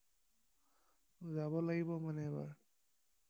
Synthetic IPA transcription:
zabɔlaɡibɔmanɛba̰ɹ

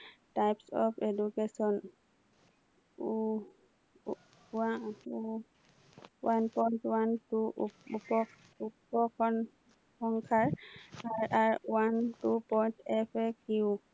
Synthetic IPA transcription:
tajpsɔ̰pʰedukesɔn | u | au | wanpɔjntwantuʔupɔk | upɔkʰɔn | hɔŋkʰaɹaɹaɹwantupɔjntɛpʰɛkʰu

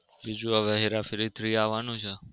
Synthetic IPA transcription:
bid͡ʒũəʋɛɦiɾafɪɾit̪ʰɾiaʋanũt͡ʃʰɛ

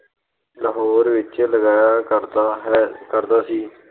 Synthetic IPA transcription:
ləɦɔːɾʋɪt͡ʃləɡaːjaːkəɾd̪ | kəɾd̪aːsiː

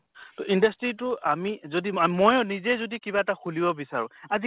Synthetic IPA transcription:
tɔʔindastɹitʊamizodiamojʊnizɛzodikibaɛtaxʰulibɔbisa̰ɹʊ̰̃azi

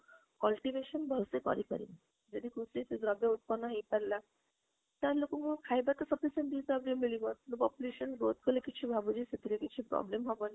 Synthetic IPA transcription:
kɔlʈiʋeʃɔnbʱɔsekɔ̰ɾikɔ̰ɾḭn | d͡ʒɔd̪ikʰusit̪eɡɾɔbjaut̪̚pɔnːɔɦejpɛɾla | t̪alokũŋkukʰajbat̪ɔsɔpisẽɳʈɖisabɾimilibɔt̪lubɔpuluʃɔnbot̪̚kʰolekit͡ʃʰibʱabud͡ʒiset̪iɾekit͡ʃʰipɾɔ̰blemɦɔbɔn

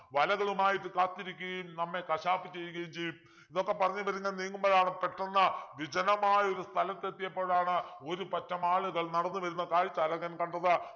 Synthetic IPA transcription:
ʋɐlɐɣɐɭumaːjiʈːɨkaːt̪ːiɾikʲːɐɣɐjumnɐmːe̞kɐʂaːpːit͡ɕːe̞jːukɡɐjumt͡ɕe̞jːum | inðo̞kːe̞pɐrɐɲːuʋɐɾuŋːɡɐlniːŋːumboːɻaːɳɨpeʈːɐnːɐʋid͡ʑɐnɐmaːjɐo̞ɾust̪ʰɐlɐt̪ːet̪ːijɐpːo̞ːɻaːɳɨo̞ɾupɐtːɐmaːɭuɣɐɭnɐɽɐnːɨʋɐɾunːɐkaːɻit͡ɕːɐlɐɣɐnkɐɳɖɐðɨ

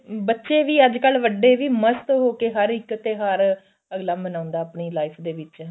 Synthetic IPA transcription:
bətːʃeːʋiːəd͡ʒkəlʋəɖeːʋiːməst̪ɦoːkeːɦəɾɪkːət̪eːɦəɾ | əɡlaːbənaːʊ̃nd̪aːpɳiːlaːɪpʰd̪eːʋɪt͡ʃ

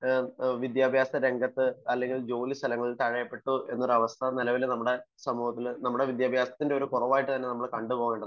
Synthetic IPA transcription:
ʋid̪jaːbʱjaːsɐɾe̞ŋɡɐt̪ːɨɐlːe̞ŋɡild͡ʑo̞ːlist̪ʰɐlɐŋːɐɭilt̪ɐɻɐjɐpːe̞ʈːuʔe̞nːoɾɐʋɐst̪ʰɐnilɐʋilenɐmːuɽe̞sɐmuːhɐt̪ːilnɐmːuɽe̞ʋid̪jaːbʱjaːsɐ̥t̪ːindeo̞ɾukurɐʋaːjiʈːɨt̪ɐnːe̞nɐmːɐɭkɐɳɖupo̞ːɣueːɳɖɐð

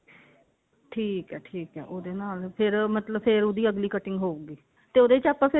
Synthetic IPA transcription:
ʈʰiːkɦɛːʈʰiːkɦɛ̰ːʔoːd̪eːnaːlpʰɪɾmət̪ləbpʰɪɾoːd̪iːəɡliːkəʈɪŋɡɦoːuɡiː | t̪eːoːd̪eːt͡ʃaːpãːpʰɪ

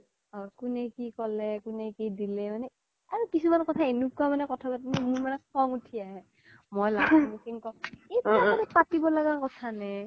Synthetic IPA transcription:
ɔkunɛkikɔlɛkunɛkidilɛmanɛ | aɹukisumankɔtʰaenukuamanɛkɔtʰapatinɛmuɹmanɛkɔŋutʰiaɦɛ | mojlaɡɔmusiŋkɔejtaupatibɔlaɡakɔtʰanɛ

